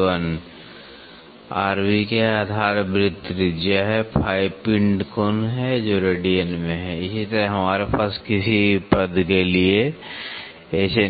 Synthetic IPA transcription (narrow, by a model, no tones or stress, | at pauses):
ən | aːɾwikead̪ʱaːɾbɾɪt̪ɾɪd͡ʒjaɦɛpʰaːipɪ̃ɳɖkoːnɦɛd͡ʒoːɾeɖijənmẽɦɛɪsit̪əɾəɦɐmaːɾepaːskɪsipəd̪kelie | ɛːse